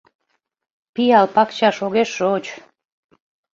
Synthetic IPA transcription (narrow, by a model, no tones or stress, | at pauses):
piɑlpɑkt͡ɕɑʃoɣeʃot͡ɕ